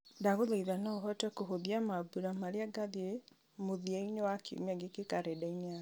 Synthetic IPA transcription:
ndaɣoðaiðanɔɦɔtɛkoɦoðiamabuɾamaɾeaɡaðe | moðiɛinewakʰḭmiaɡekekaɾedaina

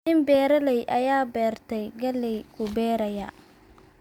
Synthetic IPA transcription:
ɪmbɛːɾɐlɛjʔɐjaːbɛːrt̪ʰɛjɡɐlɛjkʰʊbɛːɾɐjɐ̰

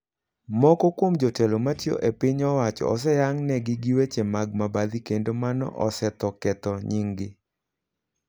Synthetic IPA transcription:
mɔkɔkwomd͡ʒotɛlomatjo̰ʔepɪɲɔwat͡ʃɔ̰ɔs̬ɛjaŋnɛɡɪɡiwet͡ʃemaɡ̚mabad̪ikendomanɔ̰ʔɔsɛt̪ɔkɛt̪ɔɲiŋɡɪ

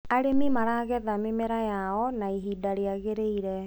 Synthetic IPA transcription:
aɾemimaɾaɣɛðamemɛɾajaɔnaiɦidaɾeaɣeɾeiɾɛ

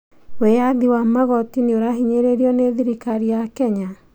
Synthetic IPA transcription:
wejaðiwamaɣɔtineoɾaɦiɲeɾeɾiɔneðiɾikaɾijakɛɲa

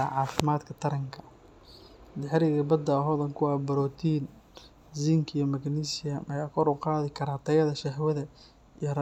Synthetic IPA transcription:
aʕɑːfɪmaːd̪kʰɐt̪ʰɐɾɐŋkʰɐ̥ | d̪ɪħɾɪɣɐbɐd̪ɐɦɔːðɐŋkʰʊwɑːbɐɾɔːt̪ʰiːn | ziŋkʰɪjɔmɐɡniːsɪjɐmɐjaːkʰɔɾʊqɑːðɪkʰɐɾaːt̪ʰɐjɐðɐʃɐhwɐðɐ | ijɔr

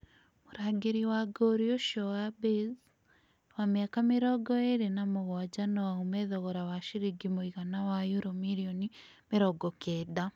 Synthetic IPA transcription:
muɾaɡeɾiwaɡoɾioʃɔabez | wamjakameɾɔɡɔeɾenamoɣwad͡ʒanɔwaumɛðɔɣɔɾawaʃiɾiɡimoiɣanawajuɾomiɾiɔni | meɾɔɡɔkʰɛːda

